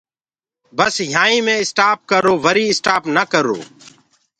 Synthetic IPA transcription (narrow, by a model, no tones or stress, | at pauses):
bəsjãːĩːmẽːɪsʈaːp̚kəɾoːʋəɾiːɪsʈaːpnəkəɾo̰ː